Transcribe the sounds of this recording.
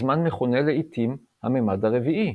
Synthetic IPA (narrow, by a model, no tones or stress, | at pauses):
zmanmeχoneleit̪ʰim | ha̰memadhaʁeviʔi